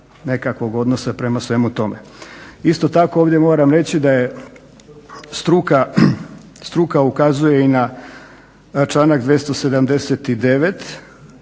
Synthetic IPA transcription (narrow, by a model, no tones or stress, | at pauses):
ne̞kakʋo̞ɡo̞d̪nosapɾe̞masʋe̞mut̪o̞mḛist̪o̞t̪akooːʋd̪ʲje̞mo̞ːɾamɾe̞t͡ɕid̪aje̞ | st̪ɾuka | st̪ɾukaukazuje̞ina | t͡ʃlaːnakd̪ʋje̞st̪o̞se̞d̪amd̪e̞set̪id̪e̞ʋe̞t̪